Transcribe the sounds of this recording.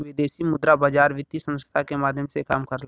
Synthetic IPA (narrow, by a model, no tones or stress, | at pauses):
ʋɪd̪eːsimʊd̪ɾabaːd͡ʒaːɾʋɪt̪isə̃nst̪ʰakemaːd̪ʱjəmsekaːmkəɾl